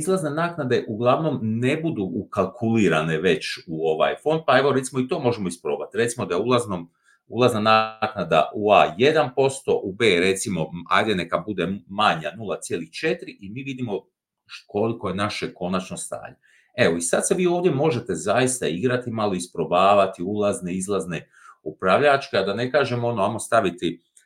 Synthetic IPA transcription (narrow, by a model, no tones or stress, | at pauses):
izlˠaznenaːknad̪e̞ʔuɡlˠaʋno̞mne̞bud̪uːkalˠkʰuliːɾane̞ʋe̞t͡ɕuo̞ʋa̰jfo̞nd̪̚pae̞ʋo̞ɾe̞t̪simo̞it̪o̞ːmo̞ʒemo̞ispɾo̞ːbat̪ɾet̪simod̪ajeulˠaznom | ulˠaznanaknad̪a̰ʔuaje̞d̪anpo̞st̪o̞ʔubeːɾe̞t̪simo̞a̰jd̪ene̞kabud̪emaɲanulˠat̪sjeːlixt͡ʃe̞t̪ɾiʔimiːʋid̪imo̞ | ko̞likojenaʃeko̞nat͡ʃnost̪a̰ːɲe | e̞ʋoisad̪se̞ʋiːo̞ːʋd̪je̞mo̞ʒe̞t̪e̞zajist̪aiɡɾat̪imalˠo̞ispɾo̞baːʋat̪iulˠazneizlˠazne | upɾaʋʎat͡ʃkead̪ane̞kaːʒe̞moo̞noamo̞st̪aʋit̪i